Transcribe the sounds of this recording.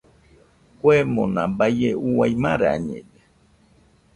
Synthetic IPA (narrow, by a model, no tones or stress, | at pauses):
kʷemõnabajeuwajmaɾaa̰ɲḛ̃de